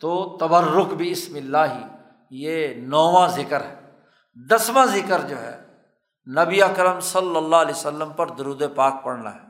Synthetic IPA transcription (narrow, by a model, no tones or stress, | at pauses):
t̪oːt̪əbəɾːʊkbiɪsmɪlːaːɦiː | jeːnɔːʋãːzɪkəɾɦɛː | d̪əsʋãːzɪkəɾd͡ʒoːɦɛ̰ː | nəbiəkɾəmsəlːəlːaːleːsəlːəmpəɾd̪ʊɾuːd̪eːpaːk̚pəɽna̰ːɦɛː